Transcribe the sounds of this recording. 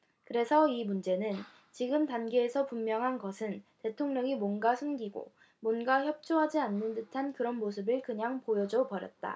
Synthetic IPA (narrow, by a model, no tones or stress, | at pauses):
kɯɾe̞sʰʌimund͡ʑe̞nɯn | t͡ɕiɡɯmtanɡe̞ːsʰʌpummːjʌŋɦanɡʌsʰɯnte̞tʰoŋɲʌŋimwʌnɡasʰunɡiɡo̰ | mwʌnɡaçjʌp̚t͡ɕ͈ʰoɦad͡ʑianːɯntɯtʰankɯɾʌnmosʰɯbɯɭkɯɲaŋpojʌd͡ʑʌpʌɾjʌ̰t̚t͈a̰